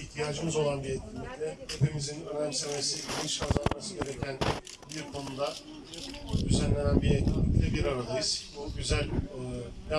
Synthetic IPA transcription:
içt̪ʰijaːd͡ʒɯmɯzo̞lˠanbiet̪̚cʲʰilʲːiclʲɛhepʰimizinø̞næmsemesiiɡiɯʃazanmasɯɟʲe̞ɾecʰæn | biɾkʰo̞nud̪a | ɟyzælʲːenænbiet̪̚ʰʲilʲiclʲɛbiɾaɾad̪ajɯz̥ɟyzælʲː | ja

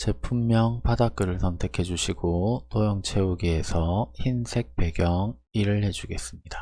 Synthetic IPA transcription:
t͡ɕe̞pʰumːjʌŋpadak̚k͈ɯɾɯɭsʰʌntʰe̞kʰe̞d͡ʑuɕʰiɡonojoŋt͡ɕʰe̞oɡiesʰʌçinsʰe̞k̚pe̞ɡjʌŋ | iɾɯɭhe̞d͡ʑuɡe̞s͈ɯmɲida

